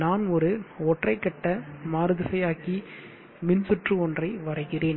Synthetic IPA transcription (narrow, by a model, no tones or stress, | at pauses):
naːnɔɾɯɔʈrɐɪkːɐʈːɐmaːɾɯðɪsɐjaːki | mɪnsʊʈrɯɔndrɐɪʋɐɾɐɪɣɪreːn